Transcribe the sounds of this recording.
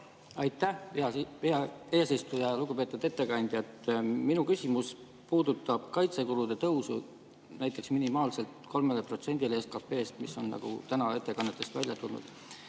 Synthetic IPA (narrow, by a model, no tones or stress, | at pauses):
ɑjt̪ːˑæɑviɑeːsist̪ujɑluɡ̥upe̞ːt̪ːud̪̥e̞t̪ːe̞kɑnʲd̪̥jɑt̪minukysʲimus | puːd̪ut̪ːˑɑb̥kɑjt̪sekulud̪̥e̞t̪ɤwsu | næjt̪ːˑe̞ksminimɑːlse̞lt̪kʰo̞lmelepro̞t̪se̞nʲd̪̥ileeskɑpːe̞ːst̪miso̞̰nːɑ̰ɡ̥ṵt̪ænɑe̞t̪ːe̞kɑnːet̪ːˑe̞st̪vælʲjɑt̪ulnṵd̪̥